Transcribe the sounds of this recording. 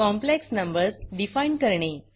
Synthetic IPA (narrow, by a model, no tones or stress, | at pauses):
kɔmpleksnəmbəɾsɖifainkəɾɳe